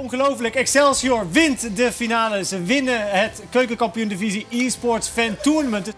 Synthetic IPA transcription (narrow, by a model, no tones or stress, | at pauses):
ɔnχəlowfələkɛksɛlˠsioɹʋɪntdəfinaːləzəʋɪnəɦətkøɥkəkɑmpijundiviziiːspɔɹtsfɛntuɹnəmənt